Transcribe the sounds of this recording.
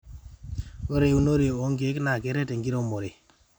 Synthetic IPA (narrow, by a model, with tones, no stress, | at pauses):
o˦ɾe˨u˦no˦ɾe˨o˨˦ŋɡe˦kna˨ke˨˦ɾe˦te˨ŋɡi˦ɾo˦mo˨ɾe˨